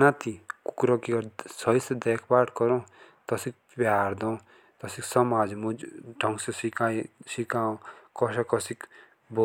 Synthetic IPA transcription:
nat̪iku̥kɾɔkiɔsʌisd̪ekʰpaːʈʰkɔɾɔ̃t̪ʌsik̚ | baːɾd̪ɔ̃ | t̪ʌsiksɔmaːd͡zmuɖʱʌ̃ŋɡsesikajsikaːõkɔʃakɔsik | bo

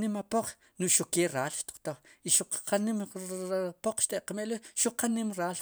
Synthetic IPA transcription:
nimapoq͡χ | nuʔʃukeːɾaːlʃt̪u̥q͡χt̪oχiʃuq͡χqanimapoq͡χʃt̪eʔqameʔleʃuqʰanimɾaːl

